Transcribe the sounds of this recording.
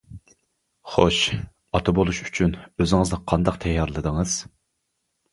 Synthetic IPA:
χoʃ | ɑt̪ʰɑbolˠuʃy̥t͡ʃʰynøzɪŋɨznɨqʰɑnd̪ɑqt̪ʰɛjːɑɾlˠɨd̪əŋɨz̥

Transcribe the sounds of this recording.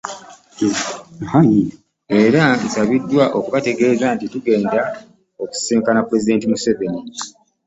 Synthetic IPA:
haɲ | e̞ːɾansaβidːwaʔo̞kuβate̞ɡe̞ːzaːntituɡe̞ːnda | oku̥seːŋkanapuɾe̞zide̞ːntimuse̞veni

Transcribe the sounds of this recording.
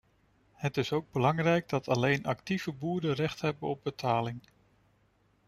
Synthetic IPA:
hətɪsowɡ̚bəlɑŋrɛjɡ̚dɑtɑlejnʔɑktiv̥əbuːɹdərɛχtɦɛbənɔb̚bətʰaːlɪŋ

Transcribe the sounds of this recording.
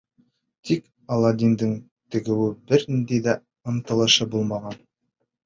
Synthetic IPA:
t̪ʰik | ɑlˠɑd̪ʲind̪ɘŋ | t̪ɘ̆ɡɘ̆wɘbɘɾnnd̪ejd̪æ | ɤ̆nt̪ɤ̆lˠɤ̆ʃɤbulˠmɑʁɑn

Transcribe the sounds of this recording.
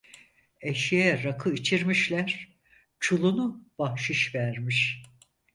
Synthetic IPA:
eʃijɛɾakʰɯit͡ʃʰiɾmiʃlʲæɾ̥ | t͡ʃʰulˠunub̥ahʃɯʃvæɾmiʃ

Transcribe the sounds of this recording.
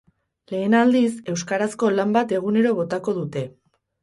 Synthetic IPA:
le̞ːnald̪ise̞wskaɾasko̞lambat̪e̞ɣ̞une̞ɾo̞βo̞t̪ako̞ðut̪e̞

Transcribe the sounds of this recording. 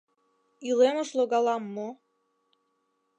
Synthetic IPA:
ilemə̆ʃloɣɑlɑmːo

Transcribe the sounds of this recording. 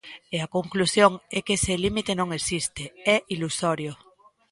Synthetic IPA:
eakoŋklusjoŋɛkeselimit̪enõŋesist̪eɛʔilusoɾjo

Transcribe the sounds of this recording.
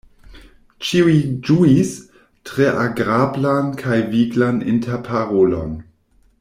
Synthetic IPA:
t͡ʃiuid͡ʒuis | tʁeʔaɡɾablankʰajviɡlanḭntʰeɾpʰaʁolo̰n

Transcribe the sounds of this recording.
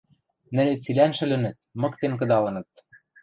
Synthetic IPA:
nɘ̆let͡silænʃɘ̆lɘ̆nɘ̆t̪̚mɤ̆kt̪enk̬ɤ̆d̪ɑlɤ̆nɤ̆t̪̚

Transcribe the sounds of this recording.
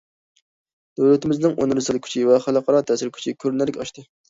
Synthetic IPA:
d̪̥øwlɛt̪ʰɪmɪznɪŋonɨɾɨsɨlˠkʲʰy̥t͡ʃʰivɛχælˠəqʰɑɾɑt̪ʰɛsɪɾkʲʰy̥t͡ʃʰikʲʰøɾnɛlɪkʲɑʃt̪ɨ

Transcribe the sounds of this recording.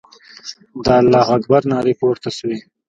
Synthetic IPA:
d̪ɑːlːɑːɣaɡbaɾnɑːɾipoːɾt̪aswi

